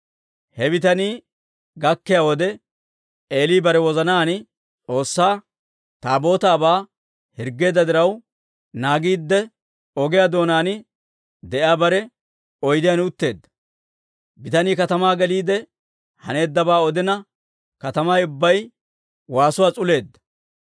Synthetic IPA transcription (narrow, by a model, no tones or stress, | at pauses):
hɛbɪt̪ɐniː | ɡɐkːɪjaːwɔd̪ɛ | eːliːbɐɾɛwɔzɐnaːn | t͡sʼo̞ːsːaː | t̪aːbo̞ːt̪aːbaː | hɪɾɡːe̞ːd̪ːɐd̪ɪɾɐw | naːɡiːd̪ːɛ | ɔɡɪjaːd̪o̞ːnaːnɪ | d̪ɛʔjaːbɐɾɛ | ɔjd̪ɪjanʊt̪ːe̞ːd̪ːɐ̥ | bɪt̪ɐniːkɐt̪ɐmaːɡɛliːd̪ɛ | hɐne̞ːd̪ːɐbaːɔd̪ɪnɐ | kɐt̪ɐmajʊbːɐj | waːsʊwaːt͡sʼʊle̞ːd̪ːɐ̥